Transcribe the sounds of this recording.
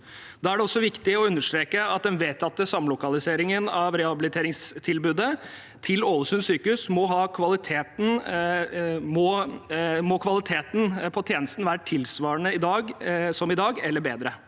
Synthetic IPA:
d̪ɑːæɖɛɔsːɔʋɪkt̪ɪɔʉnːəʂt̪ɾeːkəɑt̪̚d̪ɛnʋeːt̪ʰɑt̪ːəsɑmlʊkɑlɪseːɾɪŋənɑʋɾɛhɑbɪlɪt̪ʰeːɾɪŋst̪ʰɪlbʉːd̪ə | t̪ʰɪloːləsʉnsyːkʉsmɔɦɑːkʰʋɑlɪt̪ʰeːt̪n̩ | mɔ | mɔkʰʋɑlɪt̪ʰeːt̪n̩pʰɔt̪ʰjeːnəst̪n̩ʋæːɾəʈʰɪlsʋɑːɾəɳəɪd̪ɑːɡsɔmɪd̪ɑːɡɛlːəɾbeːd̪ɾə

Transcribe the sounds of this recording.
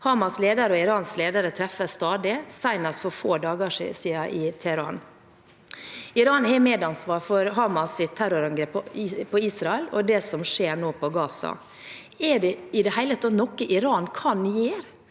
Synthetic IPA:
hɑːmɑsleːd̪ɑɾəɔɪɾɑːnsleːd̪əɾət̪ʰɾɛfəst̪ɑːd̪ɪsæɪnɑsfɔɾfoːd̪ɑːɡəʂsiːɑʔɪt̪ʰɛhɛɾɑ̰n | ɪɾɑːnhɛmeːd̪ɑnsʋɑːɾfɔɾɦɑːmɑsɪt̪ʰːæɾʊɾɑŋɡɾɛpːpʰːɔiːsɾɑɛlɔ̰d̪ɛsɔmʂeːɾɳoːpʰɔɡɑːsɑ̰ | ɛɖɛɪd̪ɛhæɪlət̪ʰːɑt̪nɔkːəʔɪɾɑːnkʰɑnjeːɾ

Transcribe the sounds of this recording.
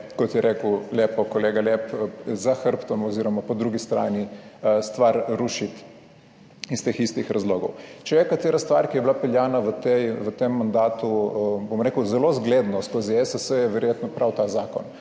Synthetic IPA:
kɔt̪jɛɾʔekəleːpɔkoleːɡalɛpzaxəɾpt̪ɔmɔziɾɔmapɔd̪ɾuɡist̪ɾa̰ːnist̪ʋaɾɾuʃit̪ | ist̪eːxist̪ixɾazloːɡɔ̰wt͡ʃɛjɛkat̪eːɾast̪ʋaɾkijɛblapɛljanaʋət̪ɛjʋət̪emːand̪aːt̪ubomɾekəwzɛlozɡleːd̪nɔskoziɛsəsəjɛʋɛɾjeːt̪nɔpɾawt̪aːzaːkɔ̰n

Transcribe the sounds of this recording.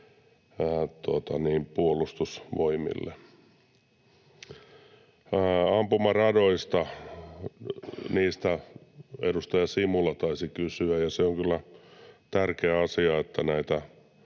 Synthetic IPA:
t̪uot̪ɑniːmpuolust̪usʋoimḭlːḛ | ɑmpumɑrɑdoist̪ɑ | niːst̪æ | edust̪ɑjɑsimulɑt̪ɑisikysyæjɑseoŋkylːæt̪ærkeæɑsiɑet̪ːænæit̪æ

